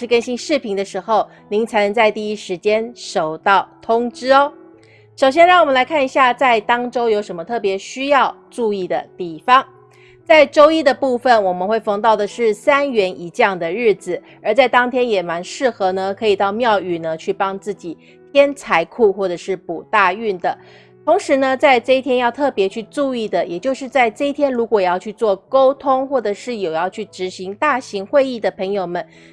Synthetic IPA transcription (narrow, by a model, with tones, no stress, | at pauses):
ʂɻ̩˥˧˩kə˥nɕi˥ŋʂɻ̩˥˩pʰi˧˥ŋd̪ə˧ʂɻ̩˧˥xo˥˧˩ʊ | ni˧˥ŋt͡sʰa˧˥ɪnə˧˥ŋt͡sa˥˧ɪt̪i˥˧i˥ʂɻ̩˧˥t͡ɕjɛ˥nʂo˨˩ʊt̪ɑ˥˩ʊt̪ʰʊ˥ŋʈ͡ʂɻ̩˥˦ | ʂo˨˩ʊɕ̬jɛ˥nɻɑ˥˩ŋwɔ˨˩mə˦nla˧˥ɪkʰa˥˩ni˧˥ɕja˥˧t͡sa˥˧ɪt̪ɑ˥ŋʈ͡ʂo˥ʊjo˧˥ʊʂə˧˥mə˧t̪ʰɤ˥˩p̬jɛ˧˥ɕy˥jɑ˥˧ʊ | ʈ͡ʂu˥˧i˥˩d̪ə̰˩t̪i˥˩fɑ˦ŋ | t͡sa˥˩ɪʈ͡ʂo˥ʊi˥d̪ə˨pu˥˩fə˨˩nwɔ˨˩mə˦nxwe˥˩ɪfɑ˥˧ŋt̪ɑ˥˩ʊd̪ə˩ʂɻ̩˥˩sa˥nɥɛ˧˥nʔi˧˥t͡ɕjɑ˥˩ŋd̪ə˩ɻɻ̩˥˩d͡zɹ̩˨˩ | ə˞˧˥t͡sa˥˩ɪt̪ɑ˥ŋt̪ʰjɛ˥njɛ˨˩ma˧˥nʂɻ̩˥˩xɤ˧˥nə˧kʰɤ˧˥i˨˩t̪ɑ˥˧ʊmjɑ˥˧ʊy˨˩nə˦t͡ɕʰy˥˩pɑ˥ŋt͡sɹ̩˥˩t͡ɕi˨˩˦ | t̪ʰjɛ˥nt͡sʰa˧˥ɪkʰu˥˧xwɔ˥˩ʈ͡ʂɤ˨˩ʂɻ̩˥˩pu˨˩t̪a˥˧y˥˩nd̪ə˩ | t̪ʰo˧˥ŋʂɻ̩˧˥nə˧t͡sa˥˧ɪʈ͡ʂɤ˥˧i˥t̪ʰjɛ˥njɑ˥˧ʊt̪ʰɤ˥˩pjɛ˧˥t͡ɕʰy˥˧ʈ͡ʂu˥˧i˥˩d̪ə˩jɛ˨˩t͡ɕjo˥˧ʊʂɻ̩˥˧t͡sa˥˧ɪʈ͡ʂɤ˥˧i˥t̪ʰjɛ˥nɻu˧˥kwɔ˨˩jɑ˥˧ʊt͡ɕʰy˥˧t͡swɔ˥˩ko˥ʊt̪ʰʊ˥ŋxwɔ˥˩ʈ͡ʂɤ˨˩ʂɻ̩˥˩jo˨˩ʊjɑ˥˧ʊt͡ɕʰy˥˩ʈ͡ʂɻ̩˧˥ɕi˧˥ŋt̪a˥˩ɕi˧˥ŋxwe˥˧ɪi˥˩d̪ə˩pʰɤ˧˥ŋjo˨˩ʊmə˨˦n